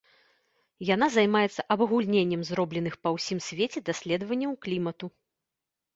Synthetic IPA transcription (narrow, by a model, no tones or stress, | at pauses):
jan̪azajmajɛt̪sːɐʔɐbɐɣulʲnʲenʲːɛmzɾɔblʲɛn̪ɨxpɐwsʲimsʲvʲet͡sʲɛd̪asʲlʲɛd̪vɐnʲːɐwklʲimɐt̪u